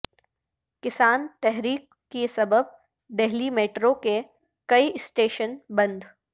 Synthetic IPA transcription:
kɪsaːnt̪ɛɦɾiːkːesɐbəb̚ | d̪ɛɦlimeːʈɾoke | kɐiɪsʈeːʃənbɐ̃nd̪

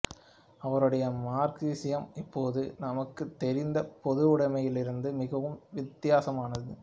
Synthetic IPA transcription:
ɐʋɐɾɯɽɐjɐmaːɾkiːsɪjɐmɪpːoːðɯnɐmɐkːɯt̪ːɛɾɪnd̪ɐpɔðɯʊɽɐmɐjɪlɪɾɯnd̪ɯmɪɣɐʋɯmʋɪt̪ːɪjaːsɐmaːnɐðɯ

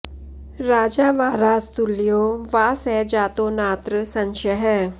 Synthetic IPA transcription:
ɾaːd͡ʒaːʋaːɾaːst̪ulːijoːʋaːsɛːd͡ʒaːt̪oːnaːt̪ɾəsɐ̃nʃəɦɛː

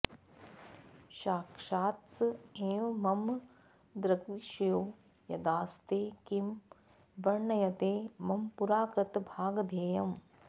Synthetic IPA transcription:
ʃaːkʂaːt̪sɐeːʋmɐm | d̪ɾɐɡʋiːʃɐjoː | jɐd̪aːst̪eːkim | ʋɐɾɳɐjɐt̪eːmɐmpuɾaːkɾɪt̪bʱaːɡɐd̪ʱeːjɐm

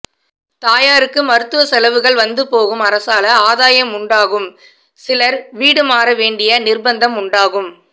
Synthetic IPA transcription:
t̪aːjaːɾɯkːɯmɐɾɯt̪ːɯʋɐsɛlɐʋɯɣɐɭʋɐnd̪ɯpoːɣɯmɐɾɐsaːlɐaːðaːjɐmʊɳɖaːɣɯm | sɪlɐɾʋiːɽɯmaːɾɐʋeːɳɖɪjɐnɪrbɐnd̪ɐmʊɳɖaːɣɯm

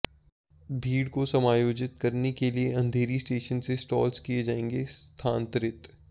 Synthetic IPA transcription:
bʱiːɽkosɐmaːjoːd͡ʒɪt̪̚kɐɾnekelieɐ̃nd̪ʱeːɾisʈeːʃənsesʈɔːlskied͡ʒaːẽːŋɡest̪ʰaːnt̪ɾɪt̪

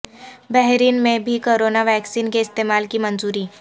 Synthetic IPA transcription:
bɛɦɾiːnmẽbʱikoːɾoːnaʋɛːksiːnkeɪst̪eːmaːlkimɐ̃nzuːɾiː

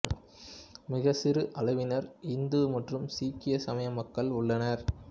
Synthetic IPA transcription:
mɪɣɐsɪɾɯʔɐɭɐʋɪnɐɾɪnd̪ɯmɐʈrɯmsiːkːɪjɐsɐmɐjɐmɐkːɐɭʊɭːɐnɐɾ

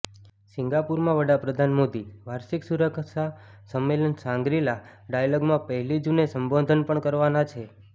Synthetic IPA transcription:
sɪŋɡapuɾmãʋəɽapɾəd̪ʱanmod̪iʋaɾʃiksuɾəkʰʃasəmːelənsãŋɡɾilaɖajalɔɡmãpəɦɛlid͡ʒunesəmbod̪ʱənpəɳkəɾʋanat͡ʃʰe

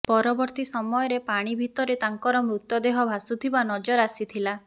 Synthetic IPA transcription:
pɔɾɔbɔɾt̪isɔmɔjɔɾepaɽ̃ibʱit̪ɔɾet̪aŋkɔɾɔmɾut̪ːɔd̪eɦɔbʱasut̪ʰibanɔd͡ʒɔɾasit̪ʰila

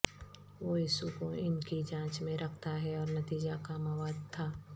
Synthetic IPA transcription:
ʋoːjiːsukoɪnkid͡ʒãːt͡ʃmẽɾɐkʰt̪aɦɛɔːɾnɐt̪iːd͡ʒakamɐʋaːd̪̚t̪ʰaː

